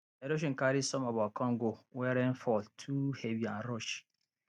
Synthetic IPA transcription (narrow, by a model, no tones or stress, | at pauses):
ɛɾoʃ̬ŋ̩kaɾisɔmabakɔ̃ŋɡowɛɾɛ̃n̩fɔltʰuheviãnɾɔʃ